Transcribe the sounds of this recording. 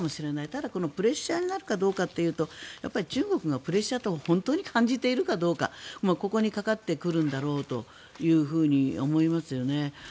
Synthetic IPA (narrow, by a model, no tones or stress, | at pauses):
mo̞ɕiɾe̞nait̪ad̪ako̞no̞pɯ̟ɾe̞ɕːaːɲ̟inaɾɯ̟kad̪o̞ːkat̪ːe̞jɯ̟ːt̪o̞ja̰pːaɾʲit͡ɕɨːɡo̞kɯ̟ɡapɯ̟ɾe̞ɕːat̪oːhõ̞nt̪o̞ːɲ̟ikʰãɲ̟d͡ʑit̪e̞iɾɯ̟kad̪o̞ːka̰mako̞ko̞ɲ̟ikakat̪ːe̞kɯ̟ɾɯ̟̃nd̪aɾo̞ːt̪o̞̰ | jɯ̟ːɸɯ̟ːɲ̟io̞̰mo̞imasɨjo̞ne̞